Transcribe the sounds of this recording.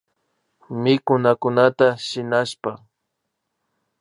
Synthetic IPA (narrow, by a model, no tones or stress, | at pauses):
mɪkʊnakʊnat̪aʃɪnaʃpa